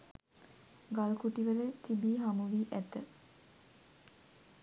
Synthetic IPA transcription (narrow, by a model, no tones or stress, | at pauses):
ɡalkuʈiʋələt̪ibiːɦamuʋiːʔæt̪ə